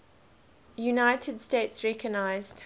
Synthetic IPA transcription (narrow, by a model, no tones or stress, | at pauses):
junaɪtʰədsteɪtsɹɛkʰəɡnaɪzd̥